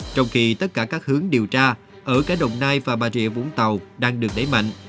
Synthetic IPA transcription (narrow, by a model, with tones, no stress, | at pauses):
t͡ɕɔ˧wŋ͡mxi˧t̪ə˦˥t̚kaː˧˩kaː˦˥k̚hɨ˨˦əŋɗi˨˩əwt͡ɕaː˧ | ʔəː˧˩kaː˨˧˥jɗə̰˧˨wŋ͡mnaː˧jvaː˨˩ɓaː˨˩zḭ˧˨əvṵ˧˥nt̪ə˨˩wɗaː˧ŋɗɨ˨˩ək̚ɗə˧˩˦jma̰˧˨ŋ̟ʔ